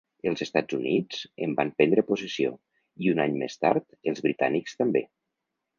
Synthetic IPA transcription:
əlˠzəst̪ad͡zunid͡zə̰mbampɛnd̪ɾəpusesio̰ | iunaɲmḛst̪a̰ɾt̪əlˠzβɾit̪anikst̪əmbe

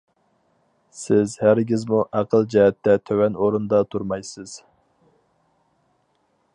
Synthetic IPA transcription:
sɪzhæɾɡʲizmuʔæqʰəlˠd͡ʒɛɦɛt̪ːɛt̪ʰøwɛnoɾund̪ɑt̪ʰuɾmɑjsɨz̥

